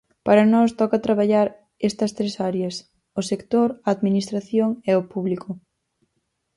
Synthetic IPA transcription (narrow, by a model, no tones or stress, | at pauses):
paɾɐnɔst̪ɔkɐt̪ɾaβaʎaɾ | est̪ɐst̪ɾesaɾjɐs | ʊsekt̪oɾɐːðminist̪ɾaθjoŋɛopuβlikʰʊ